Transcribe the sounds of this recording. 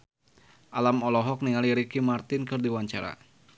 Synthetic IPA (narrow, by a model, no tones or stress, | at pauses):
ʔalamɔlɔɦɔk̚niŋaliɾikimart̪ɪnkɨrdiwaɲt͡ʃa̰ɾa̰